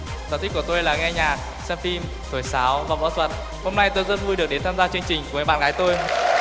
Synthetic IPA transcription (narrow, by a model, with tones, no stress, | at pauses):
zaː˨˦˩t̪ï̟˦˥ku˧˩t̪o˧jlaː˨˩ŋɛ˧ɲaː˨˩k̚ | sɛ˧mfi˧m | t̪ʰo˧˩jsaː˨˦wvaː˨˩vɔ̰˧˥t̪ʰwə˨˩t̚ | ho˧mna˧jt̪o˧jzə˦˥t̚vu˧ɗɨ˨˩ək̚ɗe˨˦nt̪ʰaː˧mzaː˧t͡ɕwi˧əŋt͡ɕï̟˨˩kŋaː˨˩jɓa̰˧˨ɣaː˨˦jt̪o˧j